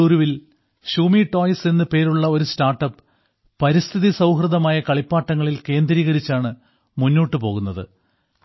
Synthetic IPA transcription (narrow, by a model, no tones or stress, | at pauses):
uːɾuʋil | ɕuːmiʈo̞ːjsenːɨpe̞ːɾuɭːɐo̞ɾustaːrʈːɐpːɨ | pɐɾist̪ʰiðisɐwɦrɨðɐmaːjɐkɐɭipːaːʈːɐŋːɐɭilke̞ːnd̪ɾiːɣɐɾit͡ɕːaːɳɨ | munːo̞ːʈːɨpo̞ːɣunːɐðɨ̰